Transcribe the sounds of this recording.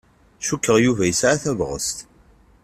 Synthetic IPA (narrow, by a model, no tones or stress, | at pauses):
ʃukːəʁjuvæjəsʕaθævʁə̰st̪